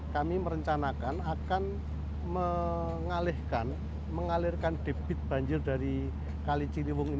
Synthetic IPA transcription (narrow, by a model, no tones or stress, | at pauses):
kamiməɾəɲt͡ʃanakanakan | mə | ŋalɪhkan | məŋalɪrkand̥e̤b̥ɪt̪̚b̥a̤ɲd͡ʒɪrdaɾi | kalit͡ʃiliwʊŋin